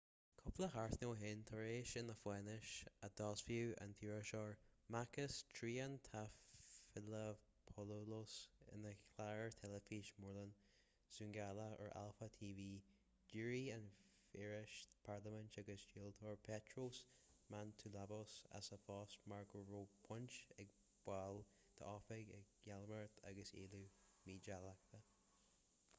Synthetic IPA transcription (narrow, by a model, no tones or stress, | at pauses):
kʰʊpləhaɹtnoːɦɪnt̪ʰəɹeːʃɪnəfwɛnɪʃəd̪̥ɔsfjuːə̰ntʰjuːɹəʃɔɹmakəstʰɹiːənt̪ʰaffɪlə | pʰɔlolosɪ̰nəkʰlaɹəɹt̪ʰɛləfiʃmɔɹlən | sʉŋɡaləə̰ɹa̰lfət̪ʰiːviː | d͡ʒuɹianfɛɹɪʃpʰaɹləmənt͡ʃaɡəsd͡ʒilt̪ʰɔɹpʰɛtʰɹosmant̪ʰulabosa̰səfɑːsmaɹɡəɹoːpʰʊnt͡ʃɛɡ̚ | b̥wal | d̪̥ə̰ɔːfɛɡɛɡjɛlməɹt̪ʰa̰ɡəsḛːlu | miːd͡ʒalak̚t̪ʰə